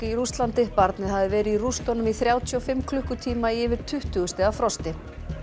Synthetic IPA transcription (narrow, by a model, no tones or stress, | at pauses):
ɪiɾust̪lant̪ɪpaɾt̪nɪðhavðɪvɛːɾɪirust̪ɔnʏmiθɾjaːwt̪ʰjʏɔfɪmːkʰlʏhkʏt̪ʰiːmaiɪːvɪɾ̥t̪ʰʏht̪ʏɣʏst̪ɪafɾɔst̪ɪ